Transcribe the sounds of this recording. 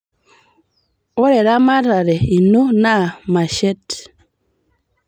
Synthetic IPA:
ɔ˦ɾɛ˨ɾa˦ma˦ɾa˨ɾɛ˨i˨nu˦na˦˨ma˨ʃɛ˦t

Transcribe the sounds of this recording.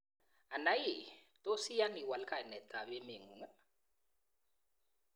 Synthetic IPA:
a˨na˨˦ji˨ | t̪o˦si˦ja˦ni˨wa˨lkʰa˨jnɛ˨t̪ʰa˨βe˦me˨ŋu˨ŋa˦

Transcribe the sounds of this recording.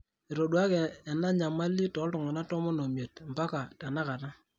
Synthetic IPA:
e˨ɾo˨ɗwa˦kɛ˨ɛ˨na˦ɲa˨ma˦li˦tɔ˨˦ltʊ˨ŋɔ˨na˦tɔ˦mɔ˦no˨mje˨tm̩˨ba˦ka˨ta˨na˦ka˨ta˦

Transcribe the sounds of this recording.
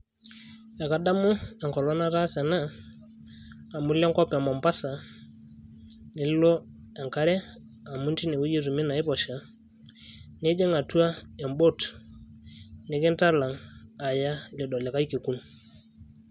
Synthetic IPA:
a˨ka˨da˦mʊ˦ɛ˨ŋkɔ˨lɔ˦na˦ɾa˦sɛ˨na˦˨ | mu˦lɛ˦ŋkɔ˦pa˨mɔ˨mpa˦sa˨ | ne˨llɔ˦ | ɛ˨ŋka˦ɾɛ˦ | a˨mu˦nti˦ne˨wu˦je˦zu˨mi˦na˨i˦pɔ˨ʃa˨ | ne˦d͡ʒɛ˦ŋa˨tu˦a˦ɛ˨mbo˦t | ne˨˦kɛ˦nta˦la˨ŋa˨ja˦lɛ˨dɔ˨lɛ˨ka˦i˦ke˨ku˦n˨

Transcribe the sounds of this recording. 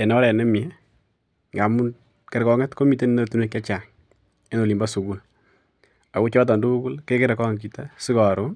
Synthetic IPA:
ɛ˨nɔ˦ɾɛ˨nɛ˦mjɛ | ŋɡa˨mu˦n | kɛ˨ɾkɔ˦ŋɛ˦tko˦mi˨˦te˦n˦no˦tu˦ne˦ka˦t͡ʃa˨ŋ | e˦no˨li˨mba˦su˨ɡu˨l | a˨ku˦t͡ʃɔ˦t̬ɔ˨ndu˦u˦kʊ˦lke˦ke˦ɾɛ˨kɔ˦ŋki˨ta˦si˦kɔ˨ɾo

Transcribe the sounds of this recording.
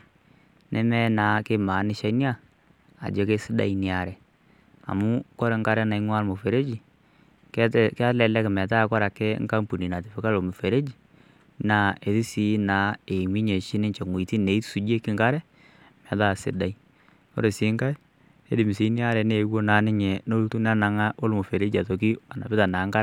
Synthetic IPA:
nʔɛ˦mɛ˦na˨˦kɪ˦ma˨˦nɪ˦ʃa˦nɪ˦a˦˨ | a̰˨d͡ʒe˨˦ke˦sɪ˦da̰˨i˦nɪ˨a˨ɾɛ˨ | a̰˨mʊ˦kɔ˦ɾɛ˨ŋɡa˦ɾɛ˦na˨i˦ŋwa˦ɾmo˨fe˨ɾe˦d͡ʒi˨ | kka˦lɛ˨lɛ˦kɪ˨mɛ˨t̬a˦˨˦kɔ˦ɾa˨kɛ˦ŋka˦mpu˨ni˨na˨tɪ˨fɪ˨ka˦lo˨mu˨fe˨ɾe˦d͡ʒi˨ | na˨e˨ti˦si˦na˨˦e˨mi˦ɲe˨t͡ʃɪ˦nɪ˦ɲt͡ʃe˨ŋwi˨ti˦ne˨i˦tsu˨d͡ʒe˦kɪ˦ŋɡa˦ɾɛ˦ | mɛ˨da˦˨sɪ˦da˨i˦ | o̰˦ɾe˨sɪ˨˦ŋɡa˦ | e˦dɪ˨mɪ˨si˨˦nɪ˦a˦ɾɛ˨ne˨˦wo˦naː˨˦nɪ˦ɲɛ˨no˦lu˦tu˦na˦na˨ŋa˦o˦lmo˨fe˨ɾe˦d͡ʒi˨a˨to˨ki˦a˨na̰˨bɪ˦ta˨na˨˦ŋɡa˦

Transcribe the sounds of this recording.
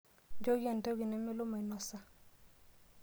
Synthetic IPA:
d͡ʒo˦ɡi˦ɛ˨nta˦ɡi˨nɛ˨˦mɛ˦lo˦ma˨i˨nɔ˨sa˦

